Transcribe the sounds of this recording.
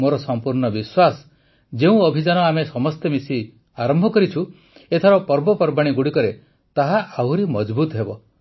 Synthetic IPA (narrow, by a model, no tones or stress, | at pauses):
moɾɔsɔmpuɾɳɔbiswas | d͡ʒeũɔbʱid͡ʒanɔamesɔmɔst̪emisi | aɾɔmbʱɔkɔɾit͡ʃʰu | et̪ʰaɾɔpɔɾbɔpɔɾbaɽ̃iɡuɽikɔɾe | t̪aɦaawɾimɔd͡ʒbut̪ɔɦebɔ